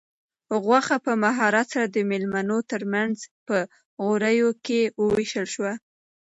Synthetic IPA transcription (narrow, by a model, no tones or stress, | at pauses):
ɣwaxapəmaɦɑɾat̪saɾad̪əmelmanot̪əɾmanzpə | ɣoɾəjokewəwiʃəlʃwa